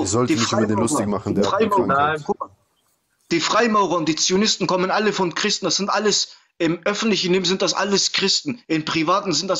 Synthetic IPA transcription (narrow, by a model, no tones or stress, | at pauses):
zɔltdinadlʊstɪçmaχn̩dʁaɪamkʊ | d̥iːfʁ̥aɪmaʊʁɐʊntd̥iːt͡sionɪstn̩kʰɔmənʔaləfɔnkʁ̥ɪstn̩d̥asz̥ɪntʔaləs | ʔɪmʔœfn̩tlɪçn̩lɪːmzɪnt̚d̥asʔa̰ləskʁ̥ɪstn̩ʔɪnpʁ̥ivaːtn̩zɪnt̚d̥as